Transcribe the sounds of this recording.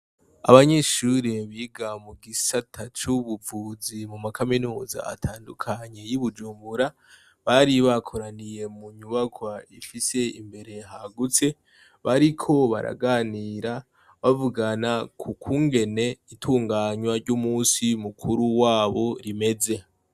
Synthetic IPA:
a̰βaɲe̞ʃuɾeβiːɡamuɡisatʰat͡ʃuβuvuzimumakaminuːza̰a̰tʰaːndukʰaɲe̞jiβud͡ʒuːmbuɾa | βaɾiβakʰoɾanije̞muɲuβakwaifise̞ḭmbe̞ɾe̞ɦaɡut͡se̞ | βaɾikʰo̞βa̰ɾa̰ɡaːniɾa | βavuɡanakʰukʰuːŋɡe̞ne̞itʰuːŋɡaːɲwaɾɟumuːsimukʰuɾuwaːβo̞ɾime̞ze̞

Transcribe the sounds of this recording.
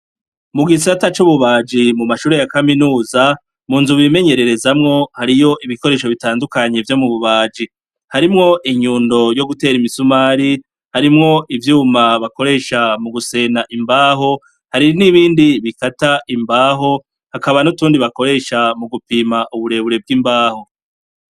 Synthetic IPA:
muɡis̬atat͡ʃuβuβaːd͡ʒimumaʃuːɾe̞jakaminuːza | muːnzuβime̞ɲe̞ɾe̞ɾe̞zamŋo̞haɾijo̞ʔiβiko̞ɾe̞ːʃo̞βitaːndukaɲe̞vjo̞muβuβaːd͡ʒi | haɾimŋo̞ʔiɲuːndo̞jo̞ɡute̞ːɾimisumaːɾi | haɾimŋo̞ʔivjuːmaβako̞ɾe̞ːʃamuɡuse̞ːnaʔimbaːɦo̞ | haɾiniβiːndiβikataʔimbaːɦo̞ | hakaβanutuːndiβakoɾe̞ːʃamuɡupimaʔuβuɾe̞βuɾe̞b̚ɡimbaːho̞

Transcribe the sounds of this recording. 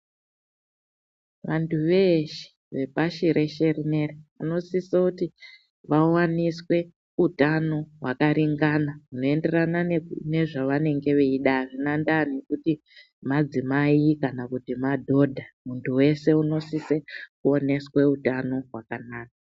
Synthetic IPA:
ʋantʰuʋeʃe̥ | ʋe̞paʃiɾʔe̞ʃerinereano̞sisakuti | ʋawaniswe̞ | utano̞ɦwakaɾiŋɡanauno̞e̞nde̞ranane̞ʐaʋane̞ŋɡe̞ʋeiɗaʐinandane̞kuti | mad͡zimaikanakutimadʱo̞dʱamuntʰuwe̞se̞uno̞sisekuo̞ne̞swe̞utano̞ɦwakanaːka

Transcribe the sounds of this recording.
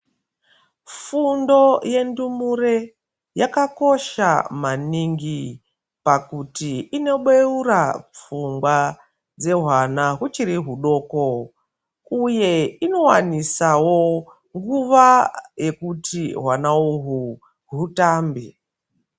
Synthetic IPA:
fundo̞je̞ndumuɾe | jakako̞ʃa̰maniŋɡi | pakutiino̞ɓeurap͡fuŋɡwa | d͡ze̞ɦwanaɦut͡ʃiɾiɦuɗo̞ːko | uje̞ino̞wanisawo̞ | ŋɡuʋaje̞kutiɦwanauɦu | ɦutaːmbi

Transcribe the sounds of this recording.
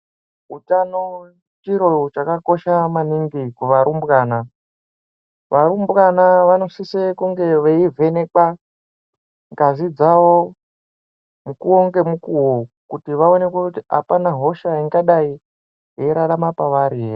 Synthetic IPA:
utano | t͡ʃiɾo̞t͡ʃakako̞ʃamaniŋɡikuʋaɾumbɣaːna | ʋaɾumbɣanaʋano̞sisekuŋɡe̞ʋeivʱenek͡pa | ŋɡazid͡zawo | mukuoŋɡe̞mukuwokutiʋaone̞kokutia̰panaɦo̞ʃaiŋɡaɗai | jeɾaɾamapaʋaɾiɦe

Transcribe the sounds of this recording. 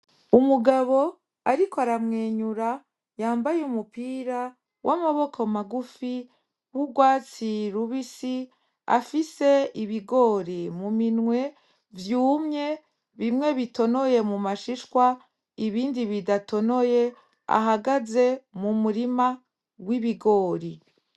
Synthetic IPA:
umuɡaβo̞ | aɾikoaɾamŋeːɲuɾa | jaːmbajeumupiːɾa | wʔamaβo̞kʰomaɡufi | βuɡwaːt͡siɾuβisi | a̰fise̞iβiɡo̞ɾimuminŋwe̞ | vjuːmɲe̞ | βimŋe̞βito̞no̞je̞mumaʃiʃkwa | iβiːndiβidato̞no̞je̞ | a̰ɦaɡaze̞mumuɾima | wiβiɡo̞ːɾi

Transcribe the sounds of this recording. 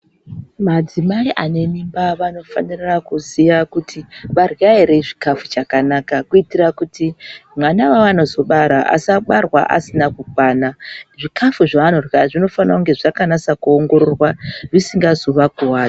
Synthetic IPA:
mad͡zimaiʔane̞nimbaʋano̞fa̰nirakuzijakutʰiʋarjaeɾeʐikafut͡ʃakanakakuitirakutimwanawaano̞zo̞ɓaɾaʔa̰saɓarwa̰ʔa̰sinakukwaːnaʐikʰafuʐaano̞rwaʐino̞fanrakuŋɡe̞ʐakanasakuoŋɡo̞ɾorwaʐisiŋɡazo̞ʋakuwaːi

